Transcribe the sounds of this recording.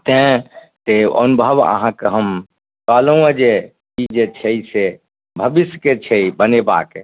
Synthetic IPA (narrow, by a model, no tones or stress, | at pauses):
t̪ẽ | t̪eə̰nubʱəʋə̰ɦãkeɦəm | kalə̃əd͡ʒe | id͡ʒet͡ʃʰeise | bʱəbisket͡ʃʰeibəneba̰ːke